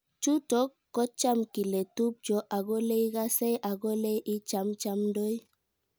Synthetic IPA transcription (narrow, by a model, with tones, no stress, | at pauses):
t͡ʃu˦tɔ˦kːɔ˦t͡ʃa˦mki˨le˨tu˦p̚d͡ʒɔ˨ʔa˨ɡɔ˦le˦i˦ɡa˦sɛ˦jʔa˨ɡɔ˦le˦ʔi˦t͡ʃa˦mt͡ʃa˦mndo˦j